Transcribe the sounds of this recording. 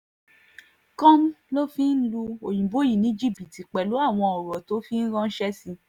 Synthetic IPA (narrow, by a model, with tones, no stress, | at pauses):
kɔ̃˦m̩˦lo˦fĩ˦n̩˦lu˧o˨j̃ĩ˨bo˨˦ji˦˨nĩ˨˦d͡ʒi˦˨bi˨ti˨k͡pɛ˨lu˨˦a˦˨w̃ɔ̃˧ɔ˨ɾɔ˨to˨˦fi˦n̩˦ɾã˦n̩˦ʃɛ˦si˧